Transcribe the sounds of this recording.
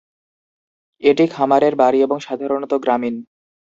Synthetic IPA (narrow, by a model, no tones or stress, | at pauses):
eʈikʰamaɾeɾbaɾieboŋʃad̪ʱaɾonot̪oɡɾamin